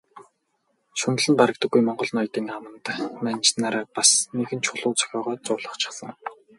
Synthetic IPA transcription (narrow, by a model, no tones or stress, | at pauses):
ʃɵn̆ɮɘ̆np̪aɾə̆kt̪ə̆ɡːujmɔɴɢɞ̆ɮnɔjt̪iːŋamə̆nt̪mænt͡ɕnaːɾaːpasneɣɘ̆nt͡ɕʰʊɮʊːt͡sœ̥xʲɔːʁɔːt͡sʊːɮə̆χt͡ɕʰɪ̥̆χsə̆ŋ